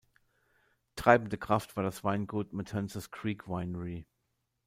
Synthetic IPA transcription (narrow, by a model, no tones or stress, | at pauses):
tʁ̥aɪbn̩dəkʁ̥aftv̥aːɐdasv̥aɪnɡuːtmɪtʰɛnsəskʁ̥iːkʰv̥aɪnəʁi